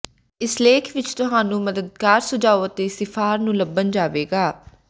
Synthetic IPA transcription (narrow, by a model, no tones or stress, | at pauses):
ɪsleːkʰʋɪt͡ʃt̪ʊɦaːnũːməd̪əd̪̚kaːɾsʊd͡ʒaːoːət̪eːsɪpʰaːɾnũːləbənd͡ʒaːʋeːɡaː